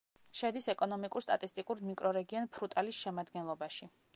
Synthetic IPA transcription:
ʃɛd̪isɛkʼɔnɔmikʼuɾst̪ʼa̰t̪ʼist̪ʼikʼuɾmikʼɾɔɾɛɡiɔnpʰɾut̪ʼalisʃɛmad̪ɡɛnlˠɔbaʃi

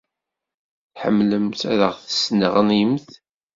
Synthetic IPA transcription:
θħə̰mːləmtæɾəʁθə̥snəʁənimθ

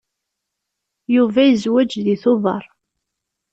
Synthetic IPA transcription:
juvæjəzwæd͡ʒðiθʊðˤɑ̰ɾˤ

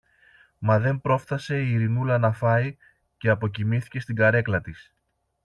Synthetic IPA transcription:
mɐðe̞mpɾo̞fθɐse̞iɾinulɐnɐfɐi | ce̞ɐpo̞c̬imiθi̥ce̞st̪iŋɡɐɾe̞klɐt̪is

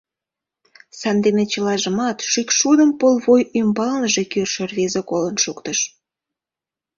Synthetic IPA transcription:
sɑnd̪enet͡ɕəlɑʒəmɑt̪ʃykʃud̪əmpolβojymbɑlnəʒekørʃerβezekolənʃukt̪əʃ

